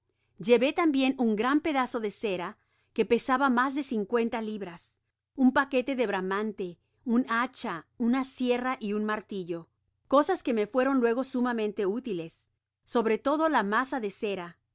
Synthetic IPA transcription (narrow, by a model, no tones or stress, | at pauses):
d͡ʒe̞βe̞t̪ambje̞nuŋɡɾampe̞ðaso̞ðe̞se̞ɾa | ke̞pe̞saβamazðe̞siŋkwe̞nt̪aliβɾas | umpake̞t̪e̞ðe̞βɾamant̪e̞ | unat͡ʃaunasje̞raʔiunmaɾt̪iʝo̞ | ko̞saske̞me̞fwe̞ɾo̞nlwe̞ɣosumamẽnt̪e̞ut̪ile̞sː | o̞βɾe̞t̪o̞ðo̞lamasaðe̞se̞ɾa